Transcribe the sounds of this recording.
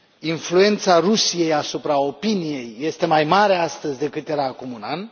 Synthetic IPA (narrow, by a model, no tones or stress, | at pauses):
influe̞nt̪sarusije̞jasupɾao̞pinije̞jːe̞st̪e̞majmaɾeast̪əzʲd̪e̞kɨt̪jeɾaːkumunan